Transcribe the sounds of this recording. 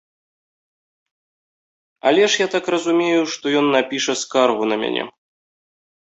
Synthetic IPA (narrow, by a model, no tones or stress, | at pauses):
a̰lʲɛʂjat̪akrɐzumʲejuʂt̪ɔjɔnːapʲiʂɐskarɣunɐmʲa̰nʲɛ̰